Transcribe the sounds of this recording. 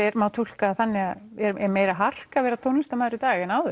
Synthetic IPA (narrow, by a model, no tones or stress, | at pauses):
ɛɾmaːwt̪ʰul̥kaːθanːɪaðɛɾɛɾmeːjɾaɦar̥kavɛːɾat̪ʰoːwnist̪amaːjðɾɪt̪aːɣɛnaːwðʏ